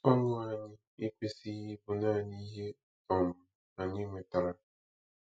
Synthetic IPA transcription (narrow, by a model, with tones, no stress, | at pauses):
ɔ˦ŋʊ˦a˨ɲɪ˦ | ɪ˦k͡pe˦si˦i˦bʊ˨na˦˨ni˦ɦe˦ | ɔ˨mʊ˨ | a˨ɲɪ˦ŋʷe˨ta˨ɾa˦